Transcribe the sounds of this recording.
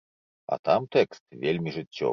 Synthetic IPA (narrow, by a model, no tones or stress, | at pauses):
ɐ̰t̪amt̪ɛkst̪vʲelʲmʲiʐɨt͡sʲːɔ̰